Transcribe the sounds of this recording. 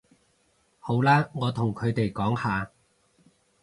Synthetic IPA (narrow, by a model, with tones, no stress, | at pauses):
ho˨˥wlaː˥ŋɔː˨˧t̪ʰʊ˨˩ŋkʰɵ˨˧ɥt̪e˨jkɔː˨˥ŋhaː˨˧